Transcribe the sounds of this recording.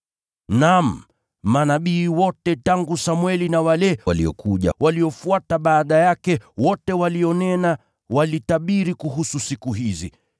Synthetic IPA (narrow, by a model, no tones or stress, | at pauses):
nam̩ | manaɓiːwɔtɛtaŋɡusamwɛlinawalɛwalḭɔ̰kuʄa̰waliɔfuataɓaːɗajakɛwɔtɛwaliɔnɛna | walitaɓiɾikuɦususikuɦizḭ